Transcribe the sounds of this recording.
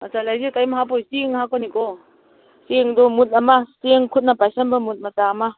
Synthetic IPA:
asalajzekajmaɦapʰɔjsiŋhakɔnikɔ | seŋdɔmut̚amaseŋkʰut̚napajsanbamut̚mɐtaːma

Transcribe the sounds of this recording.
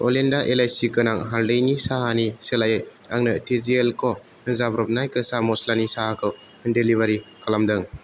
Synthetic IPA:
olendaʔelajsikɯnaŋɦaɾdejnisaɦaniselajɯjaŋnɯtizielkʰɔ | nɯzabɾɔp̚najkɯsamɔslanisaɦakʰɯw | ɯndeliβaɾikʰalamdɯŋ

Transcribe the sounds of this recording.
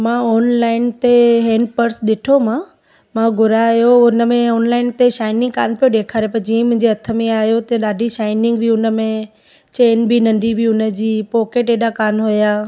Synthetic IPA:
mãːɔːnlaːɪnt̪eɦɛ̃ːɳɖpɐɾsɗɪʈʰomãː | mãɡʱʊɾajoʊnə̆mẽɔːnlaːɪnt̪eʃaːɪnɪ̃ŋɡka̰ːnpijoɗeːkʰaːɾepɐɾd͡ʑiːə̃mʊ̃ɦɪ̃ɲd͡ʑeɐt̪ʰə̆mẽaːɦijot̪ɐɗaːɖʱiʃaːɪnɪ̃ŋɡbʱiʊnə̆mẽ | t͡ɕeːnbʱinɐ̃ɳɖibʱiʊnə̆d͡ʑiːpɔːkeːʈeːɗakaːnɦʊjaː

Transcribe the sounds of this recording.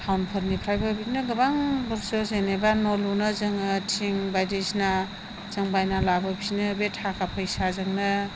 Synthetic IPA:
tʰawnpʰɔɾnipʰɾajbɯbinɯɡɯbaŋbɯɾsozenebanɔlunɯzɯŋɯtʰiŋbajdesna | z̥ɯŋbajnalabɯpʰinɯbetʰakʰapʰɯjsazɯŋnɯ

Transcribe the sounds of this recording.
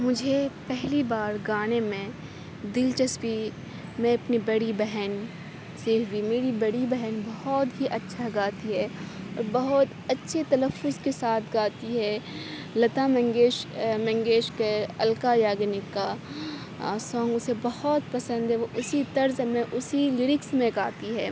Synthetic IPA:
mʊd͡ʒʱepɛɦlibaːɾɡaːnemẽ | d̪ɪlt͡ʃɐspi | mɛ̃ɐpnibɐɽibɛɦɛn | seːkʰbimeːɾibɐɽibɛɦɛnbɐhɔt̪ɦiʔɐtːʃʰaɡaːt̪iɦɛːɔ̰ːɾbɐɦʊt̪ɐtːʃʰet̪ɐləfːʊzkesaːt̪ʰɡaːt̪iɦɛː | lɐt̪amɛ̃ŋɡeːʃmɛ̃ŋɡeːʃkeɐlkajaːɡnɪkːa | sɔ̃ːŋɡʊsebɐhɔt̪pɐsə̃nd̪ɦɛoʔʊsit̪ɐɾzmẽʔʊsilɪɾɪksmẽkaːt̪iɦɛː

